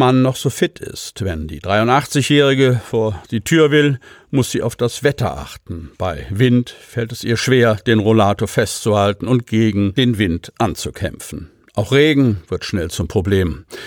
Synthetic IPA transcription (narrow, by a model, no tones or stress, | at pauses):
manːɔχz̥oːfɪtʰɪ̰stvɛndḭːdʁaɪʊntʔaχt͡sɪçjɛːʁ̞ɪɡəfoːɐd̥iːtʰyːɐvɪlmʊsz̥iːʔaʊfd̥asv̥ɛtɐ̰ʔa̰χtn̩b̥aɪvɪntfɛltɛsʔiːɐʃv̥eːɐd̥eːnʁolaːtofɛstt͡suhaltn̩ʊnt̚ɡ̥eːɡŋ̩d̥eːnvɪntʔant͡sukʰɛ̰mfn̩ | ʔaʊxʁ̥eːɡŋ̩v̥ɪɐtʃnɛlt͡sʊmpʁ̥obleːm